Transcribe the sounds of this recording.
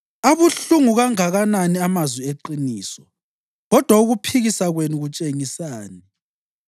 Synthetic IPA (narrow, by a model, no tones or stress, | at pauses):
aβuɬuŋuɣaŋaɣananiamazwieǃiniːsɔ | ɣɔd̥ʱwauɣupʰiɣisaɣwenuɣut͡ʃʼeŋisaːni